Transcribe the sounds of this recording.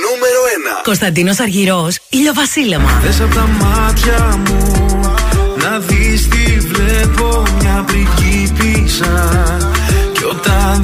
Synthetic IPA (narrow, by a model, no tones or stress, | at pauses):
numeɾo̞enɐ̰ko̞nst̪ɐnd̪ino̞sɐɾʝiɾo̞s | iʎo̞vɐsilemɐ̰ðesɐt̪ɐmɐt̪çɐmu | nɐðist̪ivlepo̞mɲɐpɾicipisɐ | ceo̞t̪ɐn